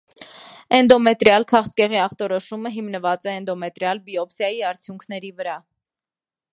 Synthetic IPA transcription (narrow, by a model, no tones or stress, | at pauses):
ɛnd̪ɔmɛt̪ɾjɑlkʰɑχt͡skɛʁiɑχt̪ɔɾɔʃuməɦimnəvɑt͡sɛːnd̪ɔmɛt̪ɾjɑlbiɔpsjɑjiɑɾt͡sʰjuŋkʰnɛɾivəɾɑ